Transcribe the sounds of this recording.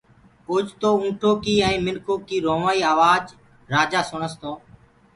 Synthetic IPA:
ʊd͡ʒt̪oːũːʈʰoːkiːɛ̃ːmɪnkoːkiːɾoːʋaːiːaːʋaːd͡ʒ | ɾaːd͡ʒaːsʊɳəst̪oː

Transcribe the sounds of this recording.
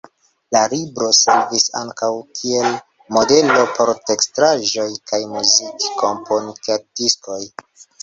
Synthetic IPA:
lalibɾo̞seɾvisa̰ŋkawkʰie̞l | mo̞de̞lo̞pʰo̞ɾte̞kstɾaʒo̞jkajmuzikko̞mpʰonikad̥isko̞j

